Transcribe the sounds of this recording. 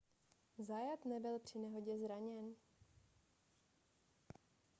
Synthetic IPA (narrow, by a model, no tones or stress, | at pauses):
zajat̪nɛbɪlpr̝̥ɪnɛɦo̞ɟɛzɾaɲɛn